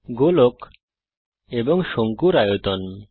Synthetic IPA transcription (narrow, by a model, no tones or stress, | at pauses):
ɡolɔk | ebɔŋʃɔŋkuɾajɔt̪ɔn